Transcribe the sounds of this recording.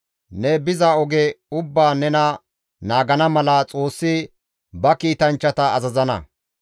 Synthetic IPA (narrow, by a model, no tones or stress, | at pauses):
nɛbɪzɐɔɡɛʊbːaːnɛnɐ | naːɡɐnɐmɐlɐt͡sʼo̞ːsːɪ | bɐkiːt̪ɐnt͡ʃːɐt̪ɐːzɐzɐnɐ̰